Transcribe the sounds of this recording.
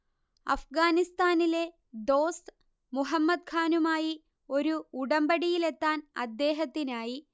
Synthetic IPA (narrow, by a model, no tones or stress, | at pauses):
ɐ̰fɡaːnist̪aːnile̞ | d̪o̞ːst̪ | muɦɐmːɐd̪̚kʰaːnumaːji | o̞ɾuuɽɐmbɐɽijile̞t̪ːaːnɐ̰d̪ːe̞ːɦɐt̪ːinaːji